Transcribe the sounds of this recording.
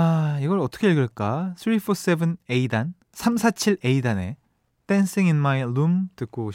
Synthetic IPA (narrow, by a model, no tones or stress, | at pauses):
aiɡʌɭʌt͈ʌkʰe̞eɭɡɯɭk͈asʰɾipʰos͈ebɯneidan | sʰamsʰat͡ɕʰiɭe̞idane̞̰ | d̥ens͈iŋinmajlumtɯk͈ooɕ